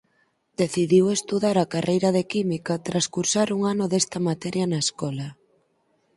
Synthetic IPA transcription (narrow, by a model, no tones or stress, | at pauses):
d̪̥eθiðiwest̪uðaɾakarʔejɾɐðekimikɐt̪ɾaskuɾsaɾuŋanʊðest̪ɐmat̪ɛɾjɐnaeskɔlɐ